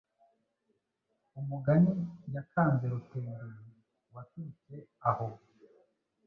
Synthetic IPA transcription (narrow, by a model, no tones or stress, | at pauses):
umuɡanijakʰaːnze̞ɾuteːndaɾ | watuit͡ʃeaho